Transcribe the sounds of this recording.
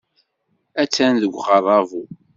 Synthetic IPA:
æt͡sːænðəɡʷʁərˤːɑvu

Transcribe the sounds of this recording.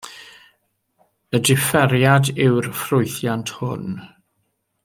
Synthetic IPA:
ədɪfɛɾjadɪwrfrʊɨθjantʰhʊ̰n

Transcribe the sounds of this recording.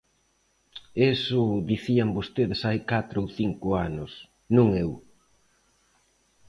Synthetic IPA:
esʊd̪iθiambost̪eðɪsajkat̪ɾowθiŋkʊanʊs | nũŋew

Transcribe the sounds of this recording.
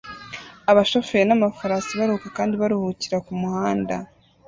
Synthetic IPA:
aβaʃo̞feɾnamafaɾaːsiβaɾuhuːkakaːndiβaɾuhuciɾakumuhaːnda̰

